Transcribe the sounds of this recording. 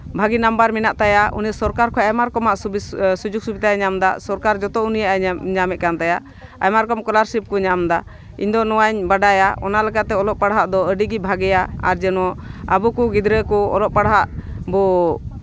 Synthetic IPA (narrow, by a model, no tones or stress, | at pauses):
bʱaɡinambaɾminaʔt̪ajaṵnijasɔɾkaɾkʰɔɛmaɾkɔmaʔsud͡ʒuɡ̚subit̪ajaɲamd̪asɔɾkaɾd͡ʒɔt̪ɔunijaʔaɲamɛʔ̪̚kant̪ajaʔ | ajmaɾkɔmkɔlaɾsip̚kɔɲamd̪a | ḭɲd̪ɔnɔwaɲbaɖajaɔ̰nalɛkat̪ɛɔlɔʔpaɽɦaʔd̪ɔəɖiɡibʱaɡɛjaa̰ɾd͡ʒɛnɔabukuɡid̪ɾəkɔɔ̰lɔʔpaɽɦaʔbɔ